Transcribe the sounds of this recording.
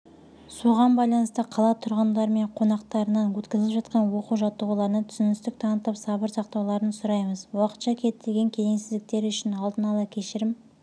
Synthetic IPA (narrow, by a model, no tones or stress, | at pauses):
suʁɑnbɑjlˠɑnəst̪əqʰɑlˠɑt̪ʰʊɾʁənd̪ɑɾme̞ɴqʰo̞nɑqt̪ɑɾənɑnwɵt̪kʲɪzlɪpʒɑt̪qɑnwo̞quwʒɑt̪ːəʁulˠɑɾənət̪ʰʏ̥sɪnɪst̪ɪk̚t̪ʰɑnət̪ːɑpsɑbəɾsɑqt̪ɑwlˠɑɾənsʊɾɑjməzwɑqə̥t̪ʃɑkʲʰe̞t̪ʰːeɡʲe̞ŋkʲʰe̞zeŋsɪzd̪ɪk̚t̪e̞ɾʏʃɪnɑlˠd̪ənɑlˠɑkʲʰe̞ʃɪɾɪm